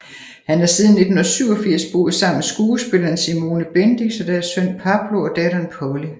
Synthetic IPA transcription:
hænæɐsiːðˠn̩ːe̝d̥nhonɐsyʊ̰ɒ̽fiɐ̰sb̥o̝ːð̩ˠsɑ̈m̰m̩esɡ̥uːsb̥e̝lɐnsimo̝ːnəb̥end̥isɒ̽d̥æɐsːøn̰pʰɑ̈b̥lo̝ɒ̽d̥ɛɾ̥ɐnpʰɒʊli

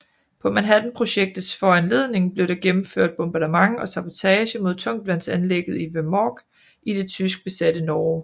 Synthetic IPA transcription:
pʰɒ̽mænɦæd̥n̩pʰʁo̝ɕeɡ̥̚d̥ð̩ˠsfɒænle̝ðˠne̝ŋb̥le̝ʊɾ̥ɑ̈ɡ̥emm̩føɐ̰d̥̚b̥ɔ̽mb̥ɑ̈dəmɑ̈ŋɒ̽sɑ̈b̥o̝t͡sʰɛːɕəmo̝ð̞ˠt͡sʰɔ̽ŋ̰d̥ʋæn̰sænleɡ̥ð̩ˠiʋemɒːɡ̥ | id̥e̝t͡sʰys̬ɡ̥̚b̥e̝sæd̥ənɒː

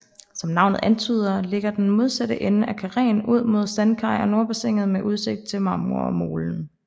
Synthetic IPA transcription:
sɒ̽mnɑ̈ʊ̰nəð̩ˠʔænt͡sʰyːð̞ˠɐle̝ɡ̥ɐd̥enmo̝ð̞ˠsæd̥əʔenəʔækʰæʁɛ̰ːnuð̞̰ˠmo̝ð̞ˠsænkʰɑ̈ɪ̰ɒ̽no̝ɐb̥eseŋ̰ð̞̩ˠmeʔuð̞ˠse̝ɡ̥̚d̥̚t͡sʰe̝lmɑ̈ːmoɐ̰ɒmo̝ːln̩

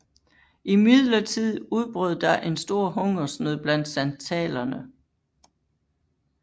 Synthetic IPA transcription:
imið̰ˠlɐt͡sʰið̰ˠuð̞ˠb̥ʁœðˠd̥ɑ̈ʔe̝nsd̥o̝ɐ̰ɦɔ̽ŋɐsnøðˠb̥læn̰d̥sænt͡sʰɛ̰ːlɐnə

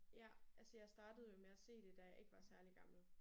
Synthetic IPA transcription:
jæælsəjɑ̈ɪsd̥ɑ̈ːd̥əð̞̩ˠjo̝meæse̝̰ːd̥e̝d̥æjɑ̈ɪʔe̝ɡ̥əʋɑ̈sæɐliɡ̥ɑ̈ml̩

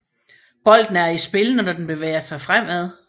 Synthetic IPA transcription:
b̥ɒ̽l̰d̥n̩æɐisb̥e̝lənɒnɒd̥enb̥e̝ʋḛːɐsɑ̈ɪfʁam̰æð̞ˠ

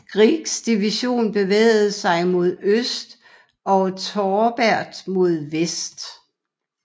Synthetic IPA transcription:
ɡ̥ʁiɡ̥sd̥iʋiɕo̝̰ːnb̥e̝ʋɛ̰ːɪð̩ˠsɑ̈ɪmo̝ð̞̰ˠøsd̥ | ɒ̽t͡sʰɒːb̥æɐ̰d̥mo̝ð̞ˠʋesd̥

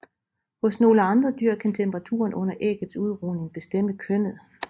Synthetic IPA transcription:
hɔ̽sno̝ːləɑ̈nd̥ʁɐd̥yɐ̰kʰænt͡sʰemb̥əʁɑ̈t͡sʰṵːɐnʔɔ̽n̰ɐʔeɡ̥əð̩ˠsuð̞̩ˠʁuːne̝ŋb̥e̝sd̥em̰əkʰønð̩ˠ

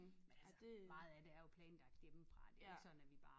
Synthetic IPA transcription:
menæsmɑ̈ð̩ˠæd̥e̝æɐjo̝pʰlɛːn̩l̥ɑɡ̥̚jemfʁɑ̈d̥eɡsɒ̽d̥n̩æʋib̥ɑ̈ː

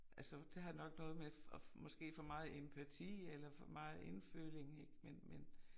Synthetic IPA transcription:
ʔælsəd̥e̝ɦænɒ̽ɡ̥nɔ̽ːð̞̩ˠmeɒmɒ̽sɡ̥e̝̰ːfɒ̽mɑ̈ːð̩ˠempʰæt͡sʰḭːelɐfɒ̽mɑ̈ːð̞̩ˠe̝nfø̰ːle̝ŋeɡ̥menmen

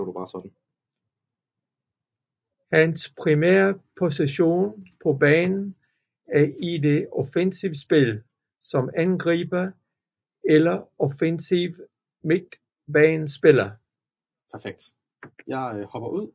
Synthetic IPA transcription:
ɾub̥ɑ̈ːsɒd̥n̩ | hænspʰʁimḛːɐpʰo̝siɕo̝̰ːnpʰɒ̽b̥ɛːnn̩ | æɐide̝ʔɔfensiʊsb̥e̝l | sɒ̽mænɡ̥ʁḭːb̥ɐ | elɐɔfensiʊ | meɡ̥̚ | b̥ɛːnsb̥e̝lɐ | pʰæɐfeɡ̥̚d̥ | jɑɪhɒ̽b̥ɐʔuð̰ˠ

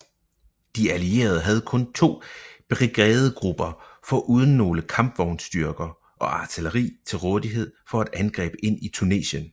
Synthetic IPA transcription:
d̥iælie̝̰ːɐð̞ˠəɦæð̞ˠkʰɔ̽nt͡sʰo̝̰ːb̥eʁiɡ̥ɛːð̞̩ˠɡ̥ʁub̥ɐfɒ̽ʔuːð̞ˠən̩ːo̝ːləkʰɑ̈mb̥ʋɒʊnsd̥yɐɡ̥ɐ | ʔɒ̽ɑ̈t͡sʰiləʁḭːt͡sʰe̝lʁɔːðˠiɦe̝ð̞̰ˠfɒ̽æd̥ænɡ̥ʁɛ̰ːb̥əe̝n̰it͡sʰune̝̰ːɕən

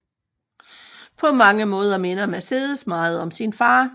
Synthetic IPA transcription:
pʰɒ̽mɑ̈ŋəmɔ̽ːð̞ˠɐme̝nɐmæse̝ːð̞ˠəsmɑ̈ːð̞̩ˠɒ̽msinfɑ̈ː

